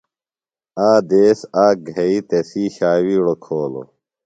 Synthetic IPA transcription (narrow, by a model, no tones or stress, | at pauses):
aːd̪eːsaːɡʱeit̪esiːɕaːwiːɽokʰoːlo̰